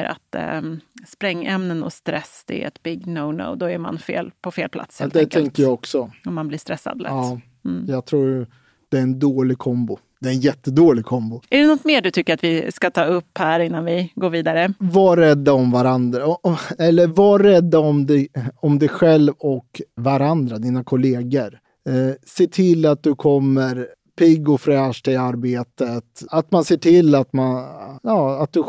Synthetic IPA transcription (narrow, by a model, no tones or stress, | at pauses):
ɾa̰t̪ | spɾɛŋːɛmnənɔ̰st̪ɾɛsːd̪̥ɛ̰ɛ̰t̪bɪɡːnoʊno̰ʊd̪ɔæɾma̰nfḛːlpʰɔfeːlpla̰t̪shɛd̪ɛt̪ʰɛŋkəɾjɑɡɔksɔɔmːanblɪːst̪ɾɛsːa̰d̪lɛ̰ː | jɑːɡ̚t̪ʰɾuːɾj | d̪̥ɛːɛnd̪oːlɪɡ̚kʰɔmbʊd̪̥ɛːɾɛnjɛt̪ːəd̪oːlɪɡ̚kʰɔmbʊæɖɛnɔt̪ːmeːɖɵt̪ʰʏkːəɾat̪vɪskat̪ʰɑːɵpːhæːɾɪnːanvɪɡoːɾviːd̪aɾəvaɾɛd̪ːaɔmvaɾand̪ɾaɔɛlːəɾvaɾɛd̪ːaɔmd̪ɛɔmd̪ɛjɧɛlvɔkvaɾand̪ɾad̪iːnakʰʊleːɡəɾ | seːʈʰɪlːat̪̚d̪ɵkʰɔmːəɾ | pʰɪɡʊfɾɛːʂʈ̪ʰɪlaɾbeːt̪ət̪at̪manseːʈʰɪlːat̪manjɑːat̪̚d̪ɵ